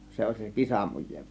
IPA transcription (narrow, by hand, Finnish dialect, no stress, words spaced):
se olʲ se kisɑmujˑeːʋ